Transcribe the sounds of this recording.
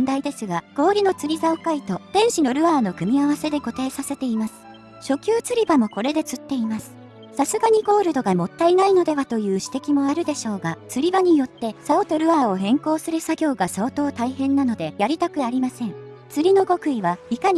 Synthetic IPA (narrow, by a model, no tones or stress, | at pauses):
nd̪aid̪e̞sɨɡaɡ̥o̞ːɾʲino̞t͡sɨɾʲizaokait̪o̞d̪̥ẽ̞ɰ̃ɕino̞ɾɯ̟βaːno̞kɯ̟mʲiaβase̞d̪e̞ko̞t̪aːsase̞t̪e̞imasɨ̥ | ɕo̞kʲɨːt͡sɨɾʲibamo̞ko̞ɾe̞d̪e̞t͡sɨt̪ːe̞imasɨ̥ | sasɨɡaɲ̟iɡo̞ːɾɯ̟d̪o̞ɡamo̞t̪ːainaino̞d̪e̞βat̪o̞jɯ̟ːɕi̥t̪e̞kʲimo̞aɾɯ̟d̪e̞ɕo̞ːɡat͡sɨɾʲibaɲ̟ijo̞t̪ːe̞saot̪o̞ɾɯ̟βaːo̞ɦẽ̞ŋko̞ːsɨɾɯ̟saɡʲo̞ːɡasaot̪o̞ːt̪aihẽ̞nːano̞d̪e̞jaɾʲit̪akɯ̟aɾʲimasẽ̞ŋ | t͡sɨɾʲino̞ɡo̞kɯ̟iβaikaɲi